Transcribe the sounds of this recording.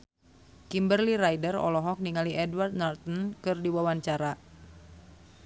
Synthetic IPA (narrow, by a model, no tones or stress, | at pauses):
kimbərliɾajdərɔ̰lɔɦɔk̚niŋaliʔɛdward̪̚nart̪ənkɨrdiwawaɲt͡ʃaɾa